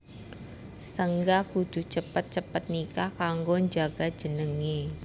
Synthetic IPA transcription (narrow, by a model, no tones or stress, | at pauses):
səŋɡaɡ̥ud̪̥ṳt͡ʃəpət̪̚t͡ʃəpət̪̚nikakaŋɡoɲd͡ʒaɡ̥ḁd͡ʒ̥ənəŋe